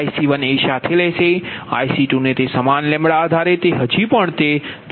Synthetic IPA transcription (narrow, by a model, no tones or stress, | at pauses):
isiʋəneʃat̪ʰelɛsea̰jsiʈunet̪esəmanlẽmɭaːd̪ʱaɾet̪eɦəd͡ʒipəɳt̪ed̪